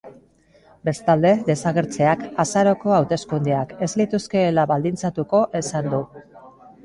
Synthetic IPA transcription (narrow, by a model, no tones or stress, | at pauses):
be̞st̪ald̪e̞ðe̞saɣe̞ɾt͡se̞akasaɾo̞ko̞awt̪e̞skund̪eake̞zlit̪uske̞ːlaβald̪int͡sat̪uko̞ʔe̞sand̪u